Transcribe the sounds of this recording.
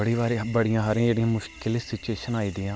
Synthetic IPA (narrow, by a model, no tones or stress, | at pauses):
əɽiːʋaːɾebəɽijãːɦaːɾĩãd͡ʒeːɽijãːmʊʃkɪlsɪt͡ʃeːʃənaːiːd̪iːãː